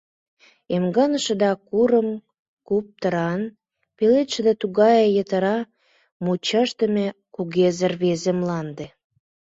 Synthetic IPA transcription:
emɡɑnəʃə̆d̪ɑkuɾəm | kup̚t̪əɾɑn | pelet̪ʃed̪ɑt̪uɣɑjejət̪ə̆ɾɑ | mut͡ɕɑʃt̪ə̆mekuɣezərβezĕmlɑnd̪e

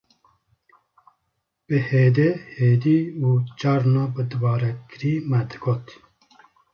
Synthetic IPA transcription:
b̥ɨheːd̪eheːd̪iːuːt͡ʃɑɾnɑːbɨd̪ɨvɑːɾɛkɨɾiːmɛd̪ɨɡoːt̪

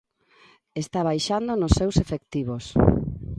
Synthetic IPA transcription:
est̪aβajʃand̪onosːewsefekt̪iβos

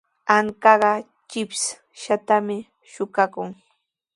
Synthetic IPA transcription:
aŋkɑɢɑ | t͡ʃɪps | ʃat̪amɪ | ʃʊkakʊŋ

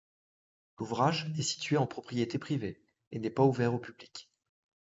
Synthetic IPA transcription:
luvʁaʒɛsi̥t̪ɥeɑ̃pχɔpχijet̪epχive | enɛpauvɛʁopyblikʲ

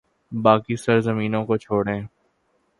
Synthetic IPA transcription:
baːkisɐɾzəmiːnõkot͡ʃʰoːɽẽː

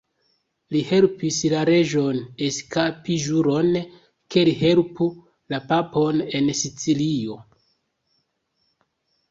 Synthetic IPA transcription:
lihe̞lpislaɾe̞ʒo̞ne̞skapiʒuɾo̞n | ke̞liɦe̞lpu | lapapo̞ne̞nsit͡silio̞

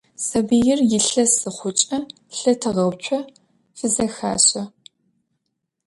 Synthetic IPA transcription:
sɐbijɪrjɪɬɐsɨχʷʊt͡ʃʼɐ | ɬɐtʰɨʁɐwt͡ʃʷʰʼɔ | fɨzɐxa̰ːɕɐ

